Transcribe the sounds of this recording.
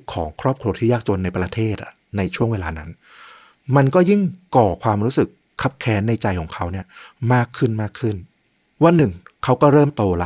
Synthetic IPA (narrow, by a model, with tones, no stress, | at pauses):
kʰɔː˩˦ŋkʰɾɔː˥˩p̚kʰɾu˧ɐt̪ʰiː˥˩jaː˥˩k̚t͡ɕo˧nːa˧jpɾa˧t̪ʰeː˥˩t̪̚ʔa˨˩na˧jt͡ɕʰu˥˩əŋweː˧laː˧na˦˥n | ma˧nkɔː˥˩ji˥˩ŋkɔː˨˩kʰwaː˧mɾuː˦˥sɯ˨˩kʰːa˦˥p̚kʰɛː˦˥nːa˧jt͡ɕa˧jkʰɔː˩˦ŋkʰa˦˥wni˥˩ɐmaː˥˩kʰːɯ˥˩nmaː˥˩kʰːɯ˥˩n | wa˧nːɯ˨˩ŋkʰa˦˥wkɔː˥˩ɾɤː˥˩mt̪oː˧la˦